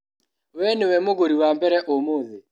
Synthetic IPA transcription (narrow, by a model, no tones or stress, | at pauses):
wɛnewɛmoɣoɾiwambɛɾɛʔomoðɪ